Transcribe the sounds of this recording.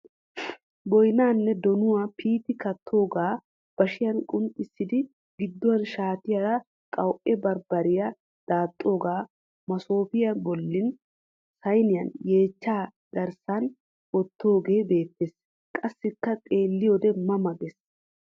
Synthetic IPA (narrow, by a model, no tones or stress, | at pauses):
bɔjnaːnːɛd̪ɔnʊwapiːt̪ɪkɐt̪ʰːo̞ːɡaː | b̥ɐʃɪjɐnkʼʊntʼːɪsːɪd̪ɪ | ɡɪd̪ːɔwɐnʃaːt̪ɪjaɾɐ | kʼɐwʔɛbɐɾbɐɾɪjɐ | d̪̥aːt̪ʼːo̞ːɡaː | mɐso̞ːpɪjɐbɔlːɪn | sɐjnɪjɐnje̞ːt͡ʃːaː | ɡ̥ɐɾsɐn | ʔɔt̪ʰːo̞ːɡe̞ːbe̞ːt̪ːeːs | kʼɐsːɪkːɐkʼe̞ːlːɪjod̪ɛmɐmɐɡɛs